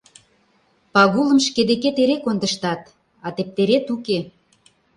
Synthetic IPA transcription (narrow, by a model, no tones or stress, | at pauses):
pɑɣulə̆mʃked̪eket̪eɾekond̪ə̆ʃt̪ɑt̪ | ɑt̪ep̚t̪eɾet̪uke